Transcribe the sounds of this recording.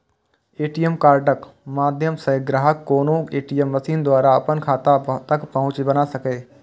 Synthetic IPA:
eːʈijəmkaːɾɖəkmaːd̪ʱjəmsə̃ɡɾaːɦəkːoːnõeːʈijəmʋɐsiːnd̪waːɾaɐpənkʰaːt̪at̪ɐkpɐɦʊ̃t͡ʃbɐnasɐkeː

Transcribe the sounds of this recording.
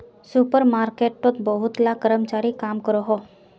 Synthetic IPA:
supəɾmaːɾkeːʈʈot̪bəɦʊt̪lakəɾəmt͡ʃaːɾikaːmkəɾoɦo

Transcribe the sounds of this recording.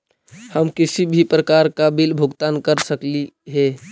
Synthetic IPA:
həmkɪsibʱipɾəkaɾkabilbʱʊɡt̪aːnkəɾsəkliɦɛ

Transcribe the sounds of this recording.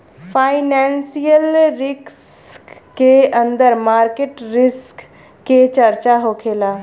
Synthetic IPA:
pʰaːɪnɛːnsijəlɾɪks | keə̃nd̪əɾmaːɾkeʈɾɪskː | et͡ʃəɾt͡ʃaɦoːkʰeːlaː

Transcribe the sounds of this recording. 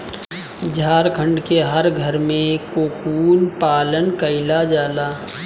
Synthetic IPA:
d͡ʒʱaːɾkʰə̃ɳɖkeɦəɾɡʱəɾmẽkoːkuːnpaːlənkəɪlad͡ʒaːlaː

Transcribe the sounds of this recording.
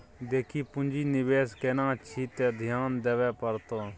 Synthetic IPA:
d̪eːkʰiːpʊ̃nd͡ʒiːnɪʋeːskeːnãːt͡ʃʰiːt̪eːd̪ʱjaːnd̪eːʋɛːpəɾt̪oː

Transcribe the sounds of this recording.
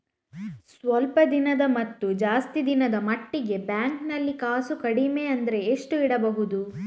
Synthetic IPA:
sʋɐlpɐd̪inɐd̪ɐmɐt̪ːud͡ʒaːst̪id̪inɐd̪ɐmɐʈːiɡe̞bjaːŋknɐlːikaːsukɐɽimeɐnd̪ɐɾe̞ːʂʈuiɽɐbɐɦud̪u

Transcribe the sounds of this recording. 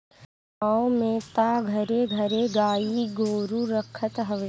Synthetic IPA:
aõmẽt̪aɡʱəɾeɡʱəɾeɡaːiɡʱoːɾuɾəkʰət̪ɦəʋ

